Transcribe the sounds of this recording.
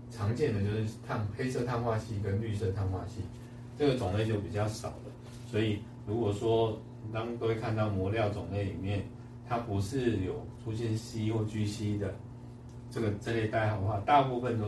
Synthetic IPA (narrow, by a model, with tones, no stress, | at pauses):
ʈ͡ʂʰɑ˧˥ŋt͡ɕjɛ˥˩nd̪ə˩t͡ɕjo˥˧ʊʂɻ̩˥˩t̪ʰa˥˧ŋxe˥ɪsɤ˥˧t̪ʰa˥˧nxwa˥˧ɕi˥˩kə˦nly˥˧sɤ˥˧t̪ʰa˥˧nxwa̰˥˧ɕi˥˩ | ʈ͡ʂɤ˥˩ɡə˩t͡sʊ˨˩ŋle˥˧ɪt͡ɕjo˥˩ʊpi˨˩t͡ɕjɑ˥˩ʊʂɑ˨˩ʊd̪ə˦ | swɔ˧˥i˨˩ | ɻu˧˥kwɔ˨˩ʂwɔ˦˥˨ | t̪ɑ˥˦ŋo˥we˥˧kʰa˥˧nt̪ɑ˥˩ʊmwɔ˧˥ljɑ˥˩ʊt͡sʊ˨˩ŋle˥˩ɪlḭ˨˩mjɛ˥˩n | t̪ʰa˦˥pu˧˦ʂɻ̩˥˩jo˨˩ʊʈ͡ʂʰu˥ɕjɛ˥˩nɕi˥wɔ˥˩t͡ɕy˥ɕi˥d̪ə˨ | ʈ͡ʂə˥˩ɡə˩ʈ͡ʂə˥˧ljɛ˥˧ɪt̪a˥˩ɪxɑ˨˩d̪ə˩xwa˥˧t̪a˥˧pu˥˧fə˨nt̪